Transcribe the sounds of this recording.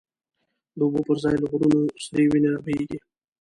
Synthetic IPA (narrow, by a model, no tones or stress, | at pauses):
d̪əʊbopəɾzɑjləɣɾunosd̪ewinenabajeɡi